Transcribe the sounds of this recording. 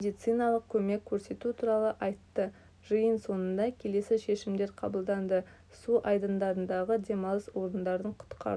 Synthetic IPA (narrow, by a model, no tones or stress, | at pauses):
med̪ijt̪sɨjnɑlˠəq̚kʲʰɵme̞kʲʰːɵɾse̞t̪ut̪ʰuɾɑlˠəʔɑjt̪ːə | ʒəjənso̞nənd̪ɑkʲʰe̞le̞sɪʃe̞ʃɪmd̪e̞ɾqʰɑ̰bəlˠd̪ɑnd̪ə | suʔɑjd̪ənd̪ɑɾənd̪ɑʁəd̪e̞mɑlˠəswo̞ɾənd̪ɑɾd̪əɴqʰʊ̥t̪qʰɑ̰ɾ